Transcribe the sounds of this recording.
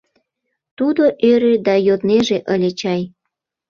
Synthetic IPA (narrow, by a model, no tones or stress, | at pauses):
t̪ud̪oʔøɾed̪ɑjod̪neʒeʔəlʲet͡ɕɑj